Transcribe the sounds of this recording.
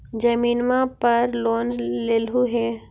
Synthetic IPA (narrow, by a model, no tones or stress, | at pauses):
d͡ʒɐmiːnmãpɐɾloːnleːlɦuɦɛː